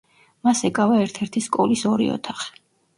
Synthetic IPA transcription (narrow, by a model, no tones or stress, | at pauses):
masɛkʼavaɛɾt̪ʰɛɾt̪ʰiskʼɔlisɔɾḭɔ̰t̪ʰaχi̥